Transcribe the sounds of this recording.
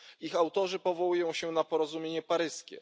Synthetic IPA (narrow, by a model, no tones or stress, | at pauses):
ixawt̪ɔʐɘpɔvɔwujɔ̃w̃ɕɛnapɔɾɔzumʲjeɲɛpaɾɘskʲɛ̰